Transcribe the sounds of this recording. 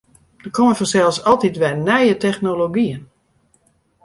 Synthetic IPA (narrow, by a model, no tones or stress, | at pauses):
dəkʰoməfɔsɛlˠfsɔlˠtitʋɛjnɛjətɛxnoloɡiən